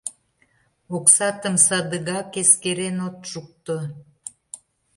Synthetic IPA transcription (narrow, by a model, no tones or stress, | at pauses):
oksɑt̪əmsɑd̪əɣɑkeskeɾenot̪ʃuk̚t̪o